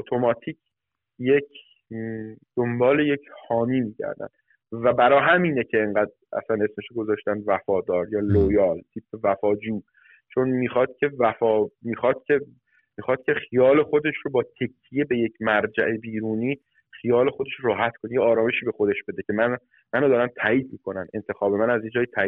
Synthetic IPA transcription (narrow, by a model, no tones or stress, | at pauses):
ot̪ʰo̞mɒːt̪ʰiːcʰ | jecʰ | d̪̥o̞mbɒːleje̞cʰhɒːmiːmiːcʰæ̰ɾd̪æ̰nd̪ | væbæɾɒːɦæmiːnecʰe̞ːŋɢæːd̪ | ʔæ̰sæne̞sme̞ʃoɡo̞zɒːʃt̪ænd̪væfɒːd̪ɒːɾjɒːlojɒːlt̪ʰiːpʰevæfɒːd͡ʒuː | t͡ʃʰonmiːxɒːd̪̥̚cʲʰe̞væfɒːmiːxɒːd̪̥̚cʲʰe | mixɒːd̪̥̚cʰʲe̞xijɒːle̞xo̞d̪e̞ʃɾobɒːt̪ʰe̞kʲʰːijebe̞je̞cʰmæɾd͡ʒæ̰ʔebiːɾuːniː | χijɒːlexod̪e̞ʃɾɒːɦæt̪kʰonejeɒːɾɒːme̞ʃiːbe̞xod̪e̞ʃb̥e̞d̪e̞cʰe̞mæn | mænod̪ɒːɾænt̪ʰæːʔiːd̪̚mikʰo̞næne̞nt̪ʰe̞xɒːbe̞mænæzje̞d͡ʒɒːjit̪ʰæiː